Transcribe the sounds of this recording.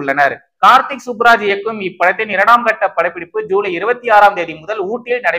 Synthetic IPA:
ɭːɐnɐɾ | kaːɾt̪ɪksʊbɾaːd͡ʒɪjɐkːɯmɪpːɐɽɐt̪ːɪnɪɾɐɽaːmkɐʈːɐpːɐɽɐɪpːɪɽɪpːɯd͡ʒuːlɐɪɾɯbɐt̪ːiaːɾaːmd̪eːðimʊðɐluːʈːɪlnɐɽɐɪ

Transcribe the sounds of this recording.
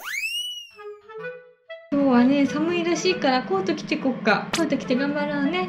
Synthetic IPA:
soːβane̞samɯ̟iɾaɕiːkaɾako̞ːt̪okʲi̥t̪ekokːa̰koːt̪okʲi̥t̪ːeɡãmbaɾɯane̞

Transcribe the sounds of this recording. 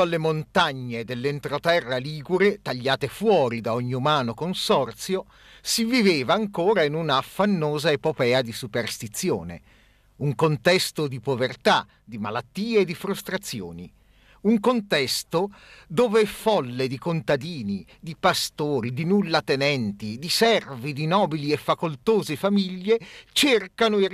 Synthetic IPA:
alːemont̪aɲːed̪elːent̪ɾot̪ɛrːaliːɡuɾet̪aʎːaːt̪efwɔːɾid̪aɔɲːiumaːnokonsɔrt̪sjo | siviveːvaːŋkoːɾainunaːfːanːoːzaepopɛːad̪isuperst̪it̪sːjo̰ːnḛ | uŋkont̪ɛst̪od̪ipovert̪a | d̪imalat̪ːiːeːd̪ifɾust̪ɾat̪sːjo̰ːni | uŋkont̪ɛst̪od̪oːvefɔlːed̪ikont̪ad̪iːni | d̪ipast̪oːɾid̪inulːat̪enɛnt̪id̪isɛrvid̪inɔːbiliefːakolt̪oːzefamiʎːet͡ʃerkanoe

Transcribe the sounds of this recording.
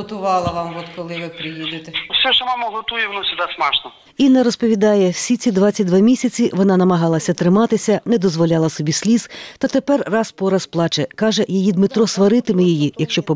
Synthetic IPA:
ɔt̪ʊʋɑlˠɐʋɑmʋɔt̪kɔlˠɪʋɪpɾɪjid̪ɪt̪ewsʲɛʃɔmɑmɐɦɔt̪ujʊʋnusʲʊd̪ɛsmɑʃnɔ | inːɛɾɔspɔʋʲid̪ɑjɛwsʲit̪t͡sʲid̪ʋɑt͡sʲːɐt̚ʲd̪ʋamʲisʲɐt͡sʲiʋɔnɑnɐmɐɦɑlˠɐsʲɐt̪ɾɪmɑt̪ɪsʲɐnɛd̪ɔzʋɔlʲɑlˠɐsɔbʲisʲlʲiz̥t̪ɐt̪epɛrrɑspɔɾɐsplˠɑt͡ʃɛkɑʒɛjijid̪mɪt̪ɾɔsʋɐɾɪt̪ɪmɪjɔjijɐkʃt͡ʃɔpɔ

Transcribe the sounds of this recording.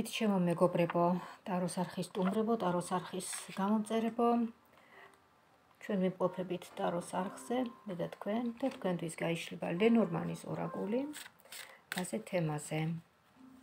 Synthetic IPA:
it̪ʰʃɛmɔmɛɡɔbɾɛbɔt̪ʼaɾɔsaɾχist̪ʼumɾɛbɔt̪ʼaɾɔsaɾχisɡ̥amɔmt̪sʼɛɾɛbɔ | t͡ʃʰwɛnvimqʼɔpʰɛbit̪ʰt̪ʼaɾɔsaɾχz̥ɛmɛd̪at̪ʰkʰwɛnd̪̥at̪ʰkʰwɛnt̪ʰwisɡaiʃlɛba̰lɛnɔɾma̰nisɔ̰ɾa̰kʼuli | asɛt̪ʰɛmazɛ

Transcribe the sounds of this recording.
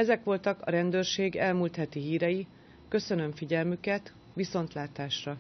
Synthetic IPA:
ɛzɛkʋo̞lt̪ɒkɒ̰ɾɛnd̪øːrʃeːɡɛlmuːlt̪hɛt̪iɦiːɾɛji | kø̞sø̞nø̞ɱfiɟɛlmykɛt̪ | ʋiso̞nt̪laːt̪aːʃrɒ

